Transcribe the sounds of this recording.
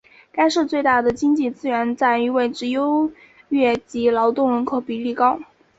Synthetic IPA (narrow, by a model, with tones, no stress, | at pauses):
ka˥ɪʂɻ̩˥˧t͡swe˥˧ɪt̪a˥˩d̪ə˩t͡ɕi˥ŋt͡ɕi˥˩t͡sɹ̩˥ɥɛ˧˥nt͡sa˥˩ɪy˧˥we˥˩ɪʈ͡ʂɻ̩˧˥jo˥ʊ | ɥɛ˥˩t͡ɕi˧˥lɑ˧˥ʊt̪ʊ˥˩ŋwə˧˥nkʰo˥˩ʊpi˨˩li˥˩kɑ˥ʊ